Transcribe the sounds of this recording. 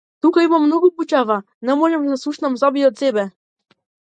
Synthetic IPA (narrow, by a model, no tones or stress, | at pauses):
t̪ukaimamːnoɡuput͡ʃava | nɛmɔʒɛmd̪asˠuʃnamzabiɔt̪sɛbɛ